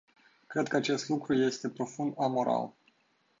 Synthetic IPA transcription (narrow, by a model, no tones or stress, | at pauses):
kɾe̞d̪̚kəat͡ʃe̞st̪lukɾuje̞st̪e̞pɾo̞fund̪amo̞ɾa̰l